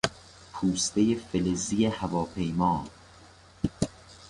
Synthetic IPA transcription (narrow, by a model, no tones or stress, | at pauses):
pʰuːst̪ejefelezijehævɒːpʰe̞jmɒː